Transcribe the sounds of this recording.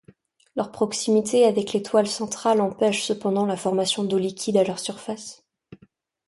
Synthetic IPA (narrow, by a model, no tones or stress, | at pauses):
lœʁpχɔksimit̪eavɛklet̪walsɑ̃t̪χalɑ̃pɛʃsəpɑ̃d̪ɑ̃lafɔʁmasjɔ̃d̪olikʲid̪alœʁsyʁfas